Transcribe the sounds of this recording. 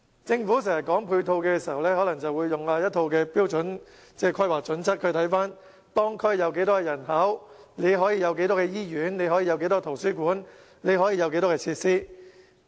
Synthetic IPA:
t͡sɪ˧ŋfuː˨˥sɪ˨˩ŋjɐ˨t̚kɔː˨˥ŋpʰuː˧jt̪ʰo˧wkɛː˧si˨˩ɐ˨wlɛː˥hɔː˨˥lɐ˨˩ŋt͡sɐ˨wu˨˧jːʊ˨ŋaː˧jɐ˥t̚t̪ʰo˧wkɛː˧piː˥wt͡sɵ˨˥n | t͡sɛː˥kʰɔː˥jwaː˨k̚t͡sɵ˨˥nt͡sʰɐ˥t̚kʰɵ˨˧ɥt̪ʰɐ˨˥jfaː˥n | t̪ɔː˥ŋkʰɵ˥ɥjɐ˨˧wk̬e˨˥jt̪ɔː˥kɛː˧jɐ˨˩nɦɐː˨˥w | ne˨˧jɦɔː˨˥jiː˧jɐ˨˧wk̬e˨˥jt̪ɔː˥kɛː˧jiː˥jyː˨˥nne˨˧jhɔ˨˥jiː˧jɐ˨˧wke˨˥jt̪̬ɔː˥t̪ʰo˨˩wsyː˥kuː˨˥n | ne˨˧jɦɔː˨˥jiː˧jɐ˨˧wke˨˥jt̪ɔː˥kɛː˧t͡sʰiː˧t̚siː˥

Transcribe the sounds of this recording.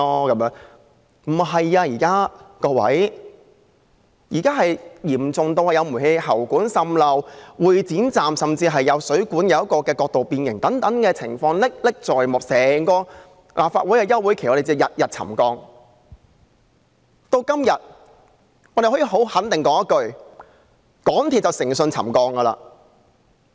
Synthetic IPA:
ɔː˥kɐ˨˦mjœː˨˥ŋ | m̩˨˩ɦɐ˨jaː˧jiː˨˩kaː˥kɔː˧wɐ̰˨˥j | jiː˨˩kaː˥ɦɐ˨jjiː˨˩mt͡sʊ˨ŋt̪o˧whɐ˨˩jɐ˨˧wmu˨˩he˧ɦɐ˨˩wkuː˨˥nsɐ˧mlɐ˨˧wwuː˨˩jt͡siː˨˥nt͡saː˨msɐ˨mt͡siː˧ɦɐ˨jːɐ˨˧wsɵ˨˥ɥkuː˨˥njɐ˨˧wɐ˥kɔː˧kɛː˧kɔː˧k̚t̪o˨wpiː˧njɪ˨˩ŋt̪ɐ˨˥ŋt̪ɐ˨˥ŋkɛː˧t͡sʰɪ̰˨˩ŋfɔː˧ŋlɪ˥k̚lɪ˥k̚t͡sɔː˨jmʊ˨k̚sɛː˨˩ŋkɔː˧ | lʔaː˨p̚faː˧t̚wuː˨˥jkɛː˧jɐ˥wːuː˨˥jkʰe˨˩˨ɔ˨˧˥e˨˩t͡siː˧˥˧jɐ˨t̚jɐ˨t̚t͡sʰɐ̰˨˩mkɔː˧ŋ | t̪o˧wkɐ˥mjɐ˨t̚ | ŋɔː˨˧˥de˨˩hɔ˨˥ji˨˩ɦo˨˥whɐ˨˥nt̪ɪ˨ŋkɔː˨˥ŋjɐ˥t̚kɵ˧ɥ | kɔː˨˥ŋt̪ʰi˨t̚t͡sɐ˨wsɪ˨˩ŋsɵ˧nt͡sʰɐ̰˨˩mkɔː˧ŋɡɐ˧la̰ː˧

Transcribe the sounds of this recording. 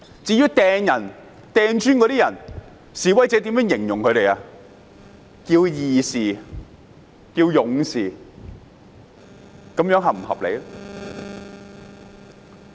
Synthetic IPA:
t͡siː˨˧˥jyː˨˥t̪ɛː˧ŋjɐ˨˩n | t̪ɛː˧ŋt͡ʃyː˥nkɔː˧ɾiː˥jɐ˨˩n | siː˨˩wɐ˨˥jt͡sɛː˨˧t̪i˨˥mjœː˥ŋjɪ˨˩ŋjʊ˨˩ŋkʰɵ˨˧ɥɾe˨jaː˧ | kiː˧wjiː˨˩siː˨˩ | kiː˧wjʊ˨˧ŋsiː˨˩ | kɐ˨˥mjœː˨˥ŋɦɐ˨˩m̩˨˩hɐ̰˨p̚lḛ˨˧j

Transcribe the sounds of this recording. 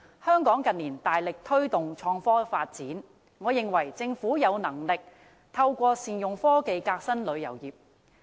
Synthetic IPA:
hœː˥ŋkɔː˨˥ŋkɐ˨nliː˨˩nt̪aː˨jlɪ˨k̚t̪ʰɵ˥ɥt̪ʊ˨ŋt͡ʃʰɔː˧ŋfɔː˥faː˧t̚t͡siː˨˥n | ŋɔː˨˧jɪ˨ŋwɐ˨˩jt͡sɪ˧ŋfuː˨˥jɐ˨˧wnɐ˨˩ŋlɪ˨k̚ | t̪ʰɐ˧wkʷɔː˧siː˨˩njʊ˨ŋfɔː˥ke˨˧jkaː˧k̚sɐ˥nlɵ˨˧ɥjɐ̰˨˩wjiː˨p̚

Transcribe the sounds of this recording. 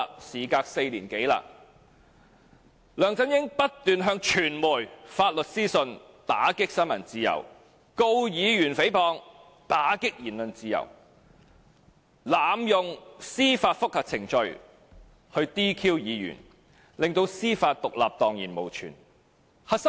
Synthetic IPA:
siː˨˩kaː˧k̚se˧jliː˨˩nke˨˥jla̰ː˧ | lœː˨˩ŋt͡sɐ˥njɪ˥ŋpɐ˥t̚t̪yː˨nɦœː˧ŋt͡ʃʰyː˨˩nmuː˨˩jfaː˧t̚lɵ˨t̚siː˥sɵ˧n | t̪aː˨˥kɪ˥k̚sɐ˥nmɐ˨˩nt͡siː˧jɐ̰˨˩w | ko˧wjiː˨˧jyː˨˩nfe˨˥jpʰɔː˧ŋ | t̪aː˨˥kɪ˥k̚jiː˨˩nlɵ˨nt͡siː˧jɐ̰˨˩w | laː˨˩mjʊ˨ŋsiː˥faː˧t̚fʊ˥k̚hɐ˨t͡sʰɪ˨˩ŋt͡ʃɵ˧ɥ | hɵ˧ɥt̪iː˥kʰiː˥wjiː˨˧jy̰˨˩n | lɪ˨˩ŋt̪o˧wsiː˥faː˧t̚t̪ʊ˨k̚laː˨p̚t̪ɔː˨ŋjḭː˨˩nmo˨˩wt͡ʃʰy̰ː˨˩n | hɐ˨s

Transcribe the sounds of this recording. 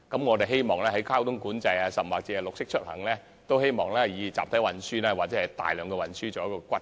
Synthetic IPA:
kɐ˨˥mŋɔː˨˧t̪e˨jɦe˥jmɔː˨ŋlɛː˥ɦɐ˨˥jkʰaː˥wt̪ʊ˥ŋkuː˨˥nt͡sɐ˧jaː˧sɐ˨p̚maː˨k̚t͡siː˧ɐ˨lʊ˨k̚sɪ˥k̚t͡ʃʰɵ˥t̚hɐ̰˨˩ŋlɛː˥ | t̪o˥whe˥jmɔː˨˩ŋlɛː˥jiː˨˧t͡sa̰ː˨pt̪ʰɐ˨˥wɐ˨nsyː˥nɛː˥waː˨t̚ɛː˨˧˥ɐ˨˩jt̪a̰ː˨jlœː˨˧ŋkɔ˧wɐ˨˩nsyː˥t͡sɔː˨jɐ˥kɔː˧kʷɐ˥t̚

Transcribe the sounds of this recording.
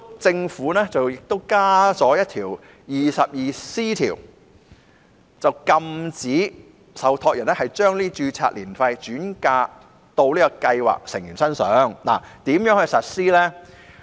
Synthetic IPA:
t͡sɪ˧ŋfuː˨˥nɛː˥t͡sɐ˨wjɪ˨k̚t̪o˥wkaː˥t͡sɔː˨˥jɐ˥t̚t̪ʰiː˨˩w | jiː˨sɐ˨p̚jiː˨siː˥t̪ʰiː˨˩w | t͡sɐ˨˩wkɐ˧mt͡siː˨˥ | sɐ˨˩wt̪ʰɔː˧k̚jɐ˨˩nɛː˥hɐ˨˩jt͡ʃœː˥ŋliː˥t͡ʃyː˧t͡sʰa̰ː˧t̚liː˨˩nfɐ˧jt͡ʃyː˨˥nkaː˧ | t̪o˧wliː˥kɔ˧kɐ˧jwa̰ː˨k̚sɪ˨˩ŋjyː˨˩nsɐ˥nsœː˨˥ŋla̰ː˨˩t̪iː˨˥mjœː˨˥ŋhɵ˨˧jsɐ˨t̚siː˥lɛː˥

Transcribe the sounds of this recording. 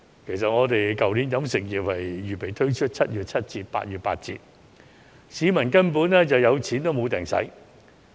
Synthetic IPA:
kʰe˨˩jsɐ˨t̚ŋɔː˨˧t̪e˨jkɐ˨wniː˨˥njɐ˨˥msɪ˨˩ŋjiː˨˩p̚hɐ˨jɥyː˨˩pe˨˩jt̪ʰɵ˥ɥt͡ʃʰɵ˥t̚t͡sʰɐ˥t̚jyː˨t̚t͡sʰɐ˥t̚t͡siː˨t̚pa̰ː˧˥t̚jyː˨˩t̚pa̰ː˧t̚t͡sḭː˧t̚ | siː˨˧mɐ˨˩nkɐ˥npuː˨˥nɛː˥t͡sɐ˨wjɐ˨˧wt͡sʰiː˨˥nt̪o˥wmo˨˧wt̪ɛ˨˩ŋsɐ̰˨˥j

